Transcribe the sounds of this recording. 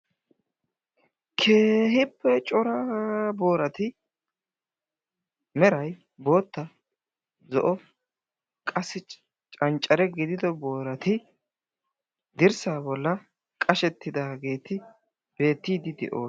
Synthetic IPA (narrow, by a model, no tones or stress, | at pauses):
kʰe̞ːɦɪpːɛt͡ʃʼɔɾɐbo̞ːɾɐt̪ɪ | mɛɾɐj | bo̞ːt̪ːɐ | zɔ̰ʔɔ | kʼɐsːɪ | t͡ʃʼɐnt͡ʃʼːɐɾɛɡɪd̪ɪd̪ɔbo̞ːɾɐt̪ɪ | d̪ɪɾsaːbɔlːɐ | kʼɐʃɛt̪ːɪd̪aːɡe̞ːt̪ɪ | b̥e̞ːt̪ːiːd̪ɪd̪ɛ̰ʔo̰ː